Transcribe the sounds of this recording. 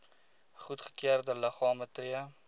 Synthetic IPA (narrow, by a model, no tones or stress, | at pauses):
χutχə̥kyərdələχɑːmətriə